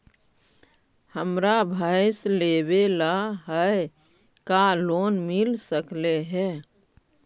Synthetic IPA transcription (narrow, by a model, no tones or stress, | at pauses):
həmɾabʱaɪslebelaɦəe | kaloːnmɪlsəkleɦɛ